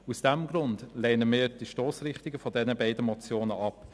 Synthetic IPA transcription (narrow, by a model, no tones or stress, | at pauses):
usd̥ɛmɡɾʊndlɛːnəmɪːɾd̥iʃtoːsrɪχtiɡəfɔdɛnəbaɪdəmɔt͡sjoːnəʔɑp